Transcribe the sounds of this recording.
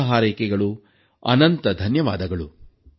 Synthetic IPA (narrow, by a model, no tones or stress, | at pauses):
ɦaːɾejkɛɡɐɭu | ɐ̰nɐnt̪ɐd̪ʱɐnjɐʋaːd̪ɐɡɐɭu